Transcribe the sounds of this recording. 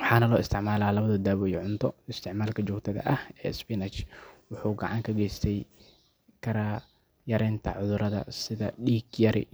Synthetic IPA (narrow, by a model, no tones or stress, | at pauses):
wʊħɑːnɐlɔːɪst̪ʰɪʕmaːlaːlɐβɐðɐd̪aːβɔːjɔʕʊnt̪ʰɔɪst̪ʰɪʕmaːlkʰɐt͡ʃɔːɡt̪ʰɐðɐ̰ʔɐhɛ̰ːspɪnɐt͡ʃwʊħuːɡɐʕɑŋkʰɐɡɛjst̪ʰɛj | kʰɐɾɐ | jɐɾɛːnt̪ʰɐ̰ʕʊðʊɾɐðɐ̰sɪðɐɖiːɡjɐɾɪ̰